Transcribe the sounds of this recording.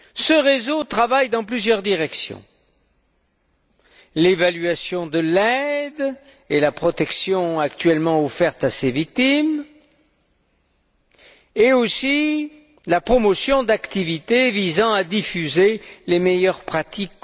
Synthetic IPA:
səʁezot̪χavajd̪ɑ̃plyzjœʁd̪iʁɛksjɔ̰̃ | levalɥasjɔ̃d̪əlɛd̪ | elapχɔt̪ɛksjɔ̃akt̪ɥɛlmɑ̃ɔfɛʁt̪asevik̚t̪im | eosi | lapχɔmɔsjɔ̃d̪akt̪ivit̪evizɑ̃ad̪ifyzelemejœʁpχat̪ik

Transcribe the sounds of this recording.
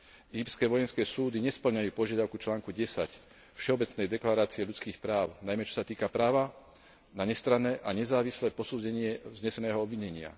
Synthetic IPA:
iːpskɛʋɔjɛnskɛːsuːd̪iɲɛspl̩ɲajuːpɔʒɪad̪aʊkut͡ʃlaːŋkuɟɛsa̰c | fʃɛɔbɛt͡snɛjd̪ɛklaɾaːt͡siɛʎut͡skiːxpɾaːʊnajmɛt͡ʃɔ̥sat̪iːkapɾaːʋa | naɲɛst̪ɾanɛːʔaɲɛzaːʋislɛːpɔsuːɟɛɲɪɛzɲɛsɛnɛːɦɔɔbʋiɲɛɲɪa̰

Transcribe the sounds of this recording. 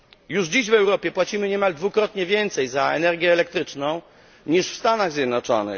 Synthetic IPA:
juʐd͡ʑiɕvɛwɾɔpʲjɛpwat͡ɕimɘɲɛmald̪vukɾɔt̪ɲɛvʲjɛnt̪sɛjzaɛ̰nɛɾɡʲjɛːlɛk̚t̪ɾɘt͡ʂnɔ̃w̃ | ɲiʂfst̪anaɣzʲjɛd̪nɔt͡ʂɔ̰nɘ̰

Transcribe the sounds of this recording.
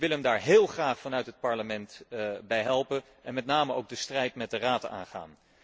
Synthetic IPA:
ʋɪlˠɦɛmdaːɹɦɪːlˠχraːχfɑnœɥtɦət̚pɑɹləmɛntbɛjɦɛlˠpən | ɛnmɛtnaːməowɡ̚dəstrɛjtmɛt̚dəraːta̰ːnχa̰ːn

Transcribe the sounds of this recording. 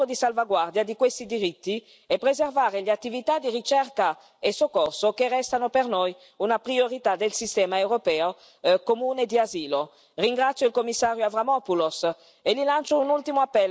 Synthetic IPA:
od̪isalvaɡward̪jad̪ikwest̪id̪iɾit̪ːi | epɾezervaːɾeleat̪ːivit̪ad̪irit͡ʃɛrka | esokːorsokerːɛst̪anopernoj | unapɾioɾit̪ad̪elsist̪ɛːmaewɾopɛːo | komuːned̪iaziːlo | riŋɡɾat̪sːjoilkomːisːaːɾjoavɾamɔpulos | elilant͡ʃounult̪imoapːɛl

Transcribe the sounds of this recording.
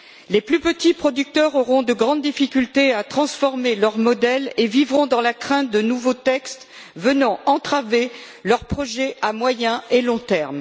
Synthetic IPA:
leplypət̪ipχɔd̪yk̚t̪œʁɔʁɔ̃d̪əɡʁɑ̃d̪d̪ifikʲylt̪eat̪χɑ̃sfɔʁmelœʁmɔd̪ɛlevivʁɔ̃d̪ɑ̃lakχɛ̃t̪̚d̪ənuvot̪ɛkst̪ | vənɑ̃ɑ̃t̪χave | lœʁpχɔʒɛʔamwajɛ̃elɔ̃t̪ɛʁm

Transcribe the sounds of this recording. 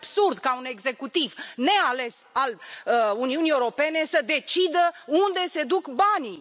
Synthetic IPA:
b̥surd̪kaune̞ɡze̞kut̪ivne̞ale̞s | aluniuniewuɾo̞pe̞ne̞səd̪e̞t͡ʃid̪əund̪e̞se̞d̪ukbani

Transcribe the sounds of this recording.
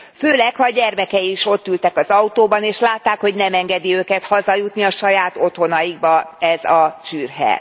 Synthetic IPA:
føːlɛkhɒɟɛrmɛkɛiiʃo̞t̪ːylt̪ɛkɒzɒut̪oːbɒneːʃlaːt̪ːaːkho̞ɟnɛmɛŋɡɛd̪iøːkɛt̪hɒzɒjut̪niɒʃɒjaːt̪o̞t̪ho̞nɒjiɡ̚bɒɛzɒt͡ʃyːrɦɛ̰

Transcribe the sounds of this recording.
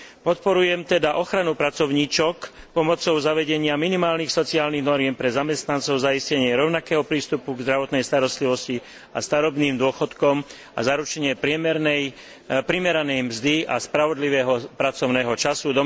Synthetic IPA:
pɔt̪pɔɾujɛmt̪ɛd̪aʔɔxɾanupɾat͡sɔʊɲiːt͡ʃɔk | pɔmɔt͡sɔʊzaʋɛɟɛɲɪaminimaːlnixsɔt͡siaːlniɣnɔɾɪɛmpɾɛzamɛst̪nant͡sɔʊzaiscɛɲɪɛɾɔʊnakɛːɦɔpɾiːst̪upuɡzd̪ɾaʋɔt̪nɛjst̪aɾɔst̪liʋɔsci | ast̪aɾɔbniːmd̪ʊɔxɔt̪kɔm | a̰zaɾut͡ʃɛɲɪɛpɾɪɛmɛɾnɛj | pɾimɛɾanɛjmzd̪iʔa̰spɾaʋɔd̪liʋɛːɦɔpɾat͡sɔʊnɛːɦɔt͡ʃasud̪ɔ

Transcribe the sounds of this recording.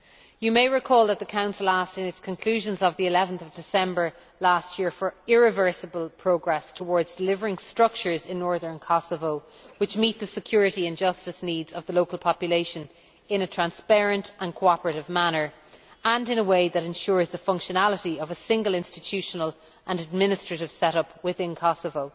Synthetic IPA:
jəmeɪɹɪkʰɔːlˠðət̪̚ðəkʰãʊ̃nsəlˠastɪ̃nɪtskʰə̃nkʰl̥ʉːʒə̃nzəvðiɪlɛvə̃nθʌvdɪsɛ̃mbə˞ | lastjɪɹfə˞ɪɹɪvɜ˞səbəlˠpʰɹ̥oʊɡɹɛstʰəwɔːɹdzdɪlɪvə˞ɪ̃ŋstɹ̥ʌk̚t͡ʃə˞zɪ̃nːɔɹðə̃˞nkʰɑsəvoʊ | wɪt͡ʃmit̪̚ðəsɪkʰj̥ʊːɹɨɾiɨ̃nd͡ʒʌstəsniːdz̥ʌvðəloʊkəlˠpʰɑpjəleɪʃə̃n | ɪ̃nətʰɹ̥ãnspɛɹə̃ntə̃nkʰoɑpəɹəɾɪvmanə˞ | ə̃nɪ̃nəweɪðəɾɛ̃nʃʊːɹzðəfʌ̃ŋkʃənaləɾiʌvəsɪ̃ŋɡəlˠɪ̃nstɪtʰʉʃənəl | ʔə̃nəd̚mɪnɨstɹ̥əɾɪv̥sɛɾʌpwɪθɪ̃nkʰɑsəvoʊ

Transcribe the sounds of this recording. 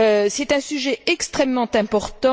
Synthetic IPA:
øsɛt̪ɛ̃syʒɛɛkst̪χɛmːɑ̃t̪ɛ̃pɔʁt̪ɑ̃

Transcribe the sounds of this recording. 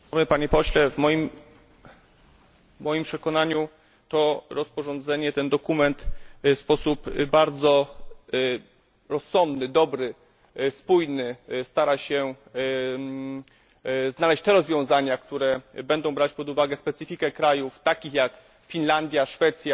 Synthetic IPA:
mɘpaɲɛpɔɕlɛvmɔjim | mɔjimpʂɛkɔnaɲu | t̪ɔɾɔspɔʐɔnd̪zɛɲɛt̪ɛnd̪ɔkumɛnt̪fspɔsupbaɾd̪zɔ | ɾɔsːɔnd̪nɘd̪ɔbɾɘ | spujnɘst̪aɾaɕɛ | znalɛɕt͡ɕt̪ɛɾɔzvʲjɔ̃w̃zaɲakt̪uɾɛbɛnd̪ɔ̃w̃bɾat͡ɕpɔd̪uvaɡɛspɛt̪sɨfʲikɛkɾajuft̪akʲixjak | fʲinland̪ʲjaʂfɛt̪sʲja

